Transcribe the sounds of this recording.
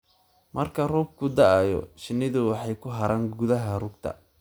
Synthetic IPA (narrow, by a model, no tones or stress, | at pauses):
mʔɐrkʰɐrɔːb̚kʰʊd̪ɐajɔ̰ʃɪnːɪðʊwɑħɑjkʰʊɦɐɾaːŋɡʊðɐɦɐrʊɡt̪ʰɐ̰